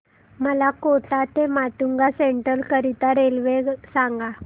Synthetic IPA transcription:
məlakoʈat̪emat̪uŋɡaseɳʈəlkəɾit̪aɾelʋeɡsaŋɡa

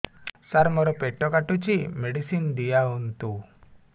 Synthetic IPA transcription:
saɾmɔɾɔpeʈɔkaʈut͡ʃimeɽisind̪ijaɦunt̪u

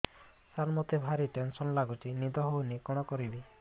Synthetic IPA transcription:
sanmɔt̪ibʱaɾiʈensɔnlaɡut͡ʃinid̪ɔɦownikɔɽ̃ɔkɔɾibi

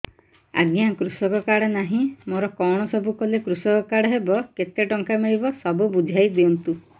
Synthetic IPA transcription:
a̰ɡjakɾusɔkɔkaɽɔnaɦĩmoɾɔkɔwɽ̃ɔsɔbʱukɔlekɾusɔkɔkaɽɔɦebɔket̪eʈɔŋkameɭibɔsɔbubud͡ʒ̪ʱajd̪eɔnt̪u

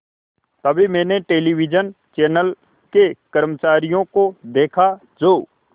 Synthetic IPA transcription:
t̪ɐbʱimɛ̃ːneʈeːliwɪd͡ʒən | t͡ʃɛːnəl | kekəɾmət͡ʃaːɾijõkod̪eːkʰa | d͡ʒoː

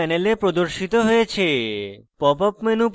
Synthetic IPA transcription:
ɛnelepɾod̪oɾʃit̪oɦojet͡ɕʰepɔpɔpmenup

